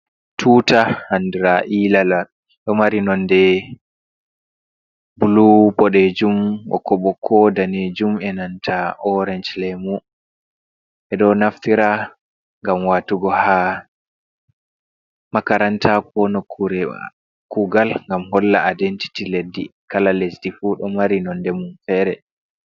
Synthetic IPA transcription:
tʰuːtahandiɾaʔilala | ɗɔmaɾinɔndɛ | bulubɔɗɛd͡ʒumwɔ̰kːɔɓɔkʰːɔdaned͡ʒumɛnantʰaʔɔɾɛnd͡ʒlɛmu | ʔɛɗɔnaftiɾa | ŋɡamwaːtuɡɔha | makaɾantʰakɔnɔkː | kuɡalŋɡamhɔlːa̰adɛnti̥tiledːḭkalalesdifuɗɔmaɾinɔndɛmunfɛːɾɛ

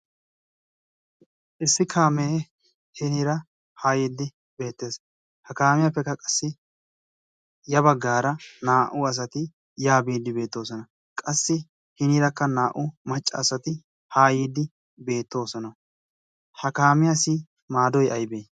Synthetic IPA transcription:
ʔɪsːɪkʰaːmeː | hɪniːɾɐ | haːjiːd̪ːɪ | be̞ːt̪ːe̞ːs | hɐkaːmɪjapːɛkːɐkʼɐ̥sːɪ | jɐbɐɡːaːɾɐnaːʔʊɐs̬ɐt̪ɪ | jaːbiːd̪ːɪbe̞ːt̪ːo̞ːs̬ɔnɐ | kʼɐsːɪ | hɪniɾɐkːɐnaːʔʊmɐt͡ʃʼːɐ̰ːsɐt̪ɪ | haːjiːd̪ːɪ | be̞ːt̪ːo̞ːsɔnɐ | hɐkaːmɪjasi | maːd̪ɔjʔɐjbeː

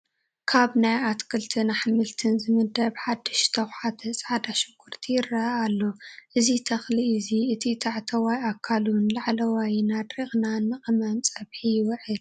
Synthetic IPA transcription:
kʰaβnajat̪kʰɨlt̪ʰɨnaħmɨlt̪ʰɨnzɨmɨd̪ɐbħad̪ːɨʃt̪ʰɐwħat̪ʰɐt͡sʼʕad̪aʃɨkʰːuɾt̪ʰijɪɾːɐalːoʔɨzit̪ʰɐxliːziɨt̪ʰit̪ʰaʕt̪ʰɐwajakʰːalunlaʕlɐwajnad̪ɾixnanːɨχʼɨmɐnt͡sʼɐβħijwɔʕɨl

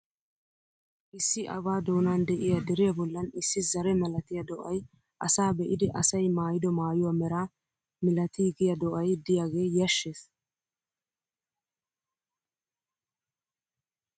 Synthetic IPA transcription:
ʔɪsːɪʔɐ̰βaːd̪o̞ːnaːnd̪ɛʔɪjad̪ɛɾɪjabɔlːɐnɪsːɪzɐɾɛmɐlɐt̪ɪjɐd̪ɔʔɐj | ʔɐsaːbɛʔɪd̪ɛʔɐsɐjmaːjɪd̪ɔmaːjʊwamɛɾaː | mɪlɐt̪iːɡɪjɐd̪ɔʔɐjd̪ɪjaːɡe̞ːjɐʃːeːs

